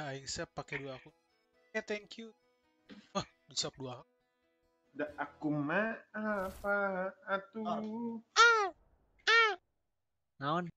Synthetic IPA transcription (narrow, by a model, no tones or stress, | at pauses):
aiŋsɛppːakɛduaːku | et̪ɛŋkju | wah | dusap̚dua | daʔakumaapaat̪u | ŋaɔn